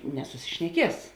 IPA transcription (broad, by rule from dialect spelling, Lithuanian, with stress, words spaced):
nʲɛsʊsʲɪʃʲnʲɛˈkʲiɛs